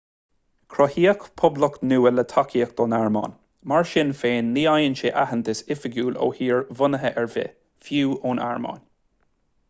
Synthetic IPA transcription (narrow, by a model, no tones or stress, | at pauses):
kʰɾɔhiːəkpʰʊbləknuːələt̪ʰakʰiːək̚d̪̥ɔːnaɹmɑ̰ːn | maɹʃɪnfeːnliːajənʃeʔahənt̪əsɪfəɡjuːlo̰ːhiːɹvʊnəɦəʔɛɹvɪ̰ | fjuːʔoːnʔa̰ɹmɑ̰ːn